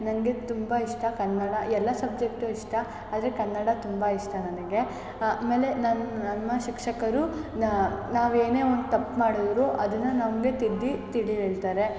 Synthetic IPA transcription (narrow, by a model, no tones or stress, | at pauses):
nɐŋɡe̞t̪umbaiʂʈɐkɐnːɐɽɐʔɛlːɐsɐb̚d͡ʒek̚ʈuiʂʈɐ | aːd̪ɐɾekɐnːɐɽɐt̪umbɐiʂʈɐnɐnɐɡe̞ | ame̞ːle̞nɐnnɐnːɐʃikʂɐkɐɾunnaːʋe̞ːne̞ːond̪ut̪ɐpːmaːɽid̪ɾuʔɐd̪ɐnːɐnɐmɡe̞t̪id̪ːit̪iɽiɦeːɭt̪aːɾe̞